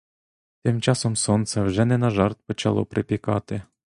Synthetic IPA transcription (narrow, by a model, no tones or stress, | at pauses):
t̪ɪmt͡ʃɑsɔmsɔnt̪sɛwʒɛnɛnɐʒɑrt̪̚pɔt͡ʃɐ̰lˠɔ̰pɾɪpʲikɑt̪ɪ